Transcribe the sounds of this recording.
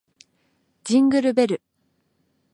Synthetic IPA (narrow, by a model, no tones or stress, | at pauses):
d͡ʑĩŋɡɯ̟ɾɯ̟be̞ɾɯ̟